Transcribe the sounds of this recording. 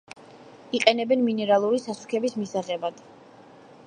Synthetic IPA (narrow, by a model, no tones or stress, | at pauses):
iqʼɛnɛbɛnminɛɾalˠuɾisasu̥kʰɛbismisaʁɛbad̪̥